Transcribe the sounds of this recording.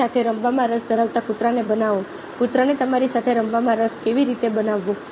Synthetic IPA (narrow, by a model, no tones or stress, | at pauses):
at̪ʰeɾəmʋamãɾəsd̪ʱəɾaʋt̪akut̪ɾanebənaʋõ | kʊt̪ɾanet̪əmaɾisat̪ʰeɾəmʋamãɾəskeʋiɾit̪ebənaʋːo